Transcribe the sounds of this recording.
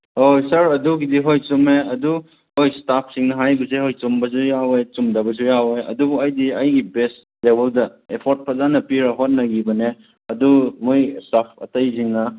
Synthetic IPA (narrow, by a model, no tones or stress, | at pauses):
ojsɐɾɐduɡidiɦojt͡ʃumeɐdu | hojstapʰsiŋnɐɦajbɐs̬ehojt͡ʃumbɐs̬ujawejt͡ʃumdɐbɐs̬ujawejɐ̰dubuɐjdiɐjɡibest | debɐldɐepʰoɾt̚pʰɐzanɐpiɾɐɦot̚nɐɡibɐne | ɐdumojstapʰɐ̰tɐjs̬iŋnɐ